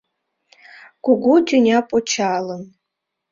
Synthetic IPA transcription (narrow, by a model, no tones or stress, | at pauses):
ɡ̥ʷʊɡʷudʲunʲapʼɔt͡ʃʰalən